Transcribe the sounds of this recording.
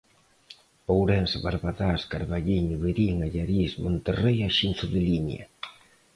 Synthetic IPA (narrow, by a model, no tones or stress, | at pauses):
powɾɛnsβaɾβaðaskaɾβaʎiɲʊβeɾiŋaʎaɾismont̪erejaʃinθʊðɪliɲa̰